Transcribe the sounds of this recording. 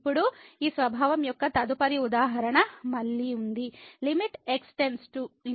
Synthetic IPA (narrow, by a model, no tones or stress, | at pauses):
pːuɽuiːsʋɐbʱaːʋɐmjɔkːɐt̪ɐd̪upɐɾiud̪aːɦɐɾɐɳɐmɐɭːiund̪ilimiʈeksʈe̞nsʈu